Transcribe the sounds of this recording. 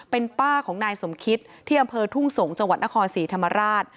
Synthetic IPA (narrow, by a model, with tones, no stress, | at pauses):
pe˧npaː˥˩kʰɔː˩˦ŋnaː˧jso˩˦mkʰi˦˥t̪̚ʰːiː˥˩ʔa˧mpʰɤː˧t̪ʰu˥˩ŋso˩˦ŋt͡ɕa˧ŋwa˨˩t̪̚na˦˥kʰɔː˧nsiː˩˦t̪ʰa˧mːa˧ɾaː˥˩t̪̚